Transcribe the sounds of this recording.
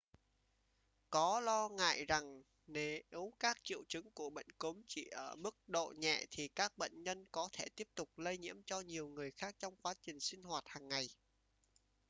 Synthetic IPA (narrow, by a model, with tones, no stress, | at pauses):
kɔ˨˦lɔ˧ŋa̰ː˧˨jza˨˩ŋ | ne˨˦ʔwkaː˦˥k̚t͡ɕḭ˧˨əwt͡ɕɨ˨˦ŋku˧˩əɓə̰˧˨jŋ̟ku˨˦mt͡ɕi˧˩ʔəː˧˩mɨ˦˥k̚ɗo̰˧˨ɲɛ̰˧˨t̪ʰi˨˩kaː˦˥k̚ɓə̰˧˨jŋ̟ɲə˧nkɔ˨˦t̪ʰe˧˩t̪i˦˥əp̚t̪ʊ˨˩k͡p̚lə˧jɲḭ˧˥əmt͡ɕɔ˧ɲi˨˩əwŋɨ˨˩əjxaː˦˥k̚t͡ɕɔ˧wŋ͡mkwaː˨˦t͡ɕï˨˩ŋ̟si˧ŋ̟hwaː˨˩t̚haː˨˩ŋːa˨˩j